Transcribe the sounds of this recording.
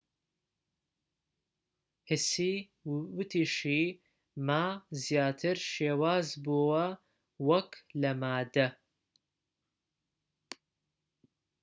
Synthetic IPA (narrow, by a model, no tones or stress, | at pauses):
hɪsiː | wʊt̪ʰiːʃiː | maːzjaːt̪ʰɨɾʃeːwaːzbuwɐ | wɐklɐmaːd̪ɐ